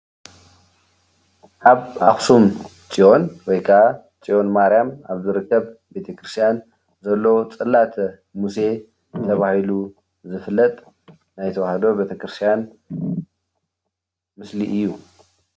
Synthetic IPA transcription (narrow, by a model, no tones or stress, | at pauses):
ʔaβaxsum | t͡sʼiʔo̞nwɔjkʰaa | t͡ʃʼiʔo̞nmaɾjamaβzɨɾɨkːɐβbe̞t̪ʰɐkʰɾɨst̪ʰjan | zɐlːot͡sʼɨlːat̪ | muse̞ | t̪ʰɐβahilu | zɨflːɐt̪ʼ | najt̪ʰɐwahɐd̪o̞be̞t̪ʰɐkɾɨst̪ʰijan | mɨsliʔɨjːu